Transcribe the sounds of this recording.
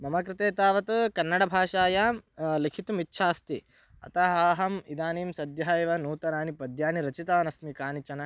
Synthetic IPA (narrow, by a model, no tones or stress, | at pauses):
mɐmɐkɾɪt̪eːt̪aːʋɐt̪kɐnːɐɽɐbʱaːʂaːjaːlikʰit̪umitːʃʰaːst̪i | ɐ̰t̪aɦaːɦɐmid̪aːniːmsɐd̪jɐɦaːjʋɐnuːt̪ɐnaːnipɐd̪ʱjaːniɾɐt͡ʃit̪aːnɐsmikaːnit͡ʃɐnɐ